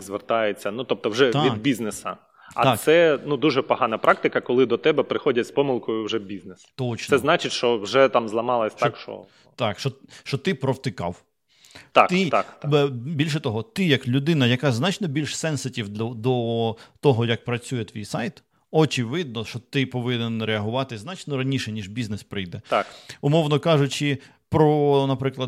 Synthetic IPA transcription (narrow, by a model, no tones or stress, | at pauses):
zʋert̪ɑjet͡sʲːɐnut̪ɔp̚t̪ɔwʒɛt̪ʲid̪bʲiznesɐ̰ | ɐ̰asɛnud̪uʒɛpɔɦɑnɐpɾʔɑk̚t̪ɪkɐkɔlˠɪd̪ɔt̪ɛbɛpɾɪxɔdʲɐtʲspɔmɪlˠkɔjʊwʐɛbʲiznest̪ɔt͡ʃnsɛznɑt͡ʃɪtʲʃt͡ʃɔwʒɛt̪amzlˠɐmɑlˠɐsʲt̪akʃt͡ʃɔ̰ | t̪ɑkʃɔʃt͡ʃɔt̪ɪpɾɔwt̪ɪkɑ̰w | t̪at̪ɪt̪akt̪bʲilʲʃɛt̪ɔɦɔt̪ɪjɐklʲʊd̪ɪnɐjɐkɑznɑt͡ʃnɔbʲilʲʃsɛnsɐtʲiwʲd̪ɔt̪ɔɦɔjɐk̚pɾɐt͡sʲujɛt̪ʋʲijsɑjt̪ | ɔt͡ʃɪʋɪd̪̚nɔʃɔt̪ɪpɔʋɪnenɾeɐɦʊʋɑt̪ɪznɑt͡ʃnɔɾɐnʲiʃɛnʲiʒbʲiznespɾɪjd̪ɛt̪akʊmɔwnɔkɑʒʊt͡ʃɪ | pɾɔnɐpɾɪklˠɐd̪